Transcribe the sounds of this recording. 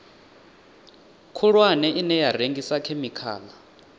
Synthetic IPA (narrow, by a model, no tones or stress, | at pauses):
kʰuɺwanɛʔinɛjareŋɡisakʰɛmikʰa̰ːla